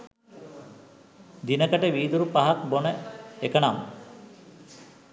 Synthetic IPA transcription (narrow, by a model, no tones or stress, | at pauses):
d̪inəkəʈəʋiːd̪uɾupaɦak̚bonəekəɳam